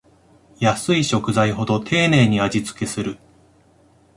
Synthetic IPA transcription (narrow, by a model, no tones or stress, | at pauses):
jasɨiɕo̞kɯ̟zaiɦo̞d̪o̞t̪ʰe̞ːne̞ːɲ̟iad͡ʑit͡sɨ̥ke̞sɨɾɯ̟